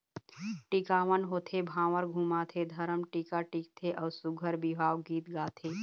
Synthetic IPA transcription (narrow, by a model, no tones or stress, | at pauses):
ʈikaːʋənɦoːt̪ʰebʱãːʋəɾɡʱũːmat̪ʰed̪ʱɐɾəmʈikaʈiːk̚t̪ʰeʔɔːɾsʊɡʱəɾbiʋaːwɡiːt̪ɡaːt̪ʰeː